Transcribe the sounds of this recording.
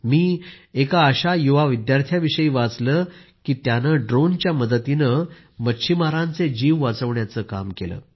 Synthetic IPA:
miːekaːɕajuʋaʋid̪jaɾt̪ʰjaʋiɕəiːʋat͡sləkiːt̪janəɖɾont͡ɕjaməd̪ət̪inə | mətːɕʰimaɾãnt͡sed͡ʑiːʋːat͡səʋɳjat͡səːka̰mkelə̰ː

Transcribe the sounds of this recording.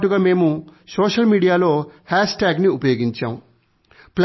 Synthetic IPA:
ʈuɡaːme̞ːmusoːʂɐlmiːɽijaːlo̞ːhaːʂʈaːɡniupɐjoːɡiɲt͡ʃa̰ːmu | pl

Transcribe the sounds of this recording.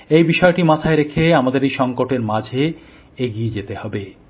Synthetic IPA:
ejbiʃɔeʈimat̪ʰaeɾekʰeamad̪eɾejʃɔŋkoʈeɾmad͡ʑʱe | eɡied͡ʑet̪ehɔbe

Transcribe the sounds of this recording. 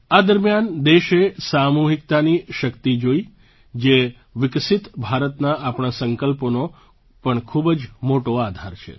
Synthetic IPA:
ad̪əɾmjand̪eʃesamuɦik̚t̪aniʃəkt̪id͡ʒoi | d͡ʒe | ʋɪksɪt̪bʱaɾət̪naʔapɳasəŋkəlpono | pəɳkʰubd͡ʒmoʈoad̪ʱaɾt͡ʃʰḛ

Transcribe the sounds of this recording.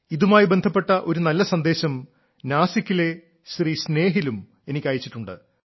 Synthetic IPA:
iðumaːjibe̞nd̪ʱɐpːe̞ʈːɐʔo̞ɾunɐlːɐsɐnd̪e̞ːɕɐm | naːsiɐkʲːile̞ | sriːsne̞ːɦilum | e̞nikʲːaːjit͡ɕːiʈːuɳɖɨ̰

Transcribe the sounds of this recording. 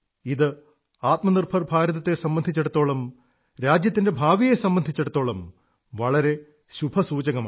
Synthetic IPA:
iðɨ | aːt̪mɐnirbʰʱɐrbʱaːɾɐðɐt̪ːe̞sɐmbɐnd̪ʱit͡ɕːeɽut̪ːo̞ːɭɐm | ɾaːd͡ʑjɐt̪ːinde̞bʱaːʋijesɐmbɐnd̪ʱit͡ɕːeɽut̪ːo̞ːɭɐm | ʋɐɭɐɾe̞ | ɕubʱɐsuːd͡ʑɐɣɐmaː

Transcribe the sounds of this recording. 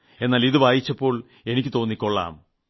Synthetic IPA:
e̞nːaːliðɨʋaːjit͡ɕːɐpːo̞ːɭ | e̞nikʲːɨt̪o̞ːnːikʲːoɭːa̰ːm

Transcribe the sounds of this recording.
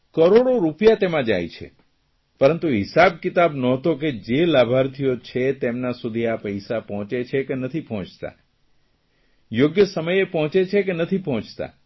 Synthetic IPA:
kəɾoɽoɾupjat̪emãd͡ʒa̰jt͡ʃʰḛ | pəɾənt̪uɦɪsab̚kɪt̪abnɔt̪ok̬ed͡ʒelabʱaɾt̪ʰijot͡ʃʰet̪emnasud̪ʱiapəjsapɔɦt͡ʃet͡ʃʰekenət̪ʰipɔɦɔ̃t͡ʃt̪a̰ | joɡjəsəməjepɔɦɔ̃t͡ʃet͡ʃʰekenət̪ʰipɔɦɔ̃t͡ʃt̪a̰

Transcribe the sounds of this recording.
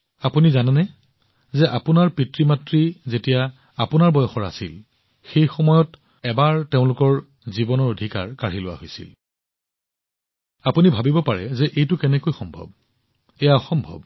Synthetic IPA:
apunizananɛ | zɛʔapʊnaɹpitɹimatɹizetija | apʊnaɹbɔjɔxɔɹa̰sil | xejxɔmɔjɔt | ɛbaɹteʊ̃lʊkɔɹ | zibɔnɔɹodʱika̰ɹkaɹilʊwa̰ɦojsḭl | apunibʱabibɔpaɹɛzɛʔejtʊkɛnɛkojxɔmbʱɔ̰b̚ | ɛjaɔxɔmbʱɔ̰b

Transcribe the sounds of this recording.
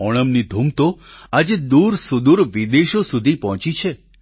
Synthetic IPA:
ɔɽ̃əmnid̪ʱumt̪oad͡ʒed̪uɾsud̪uɾʋid̪eʃosud̪ʱipɔɦt͡ʃit͡ʃʰe

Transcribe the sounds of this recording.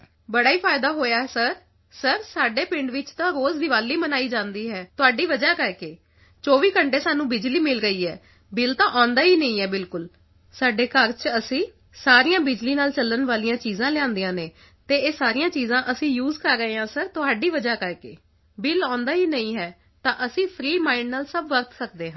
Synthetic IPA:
bəɽaːiːpʰaːɪd̪aːɦoːjaːɛsəɾ | səɾsaːɖeːpɪ̃ɳɖʋɪt͡ʃt̪ãːɾoːzd̪ɪʋaːlːiːmənaːiːd͡ʒãːnd̪iːɦɛːt̪ʊɦaːɖiːʋəd͡ʒaːkəɾkeː | t͡ʃɔːʋiːkəɳʈeːsaːnũːbɪd͡ʒliːmɪlɾəiːɦɛː | bɪlt̪ãːʔãːnd̪aːɦiːnəĩːɦɛːbɪlkʊl | saːɖeːkəɾt͡ʃəsĩː | saːɾijãːbɪd͡ʒliːnaːlt͡ʃələnʋaːlijãːt͡ʃiːzãːlɪãːnd̪ijãːneː | t̪eːeːsaːɾijãːt͡ʃiːzãːʔəsĩːjuːzkəɾːəɦeːɦãːsəɾt̪ʊɦaːɖiːʋəd͡ʒaːkəɾkḛː | bɪlãːnd̪aːɦiːnəĩːɦɛː | t̪ãːʔəsĩːpʰɾiːmaːɪnnaːlsəbʋəɾt̪səkd̪eːɦãː

